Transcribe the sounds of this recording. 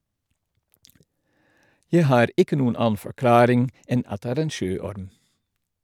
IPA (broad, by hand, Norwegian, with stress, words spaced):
ˈjæ ˈhɑːɾ ˈɪkə ˈnuːən ˈɑːn̩ fɔɾˈklɑːɾɪŋ ˈɛn ˈɑt ˈdeː ˈæːɾ ˈeːn ˈʃøːˌɔɾm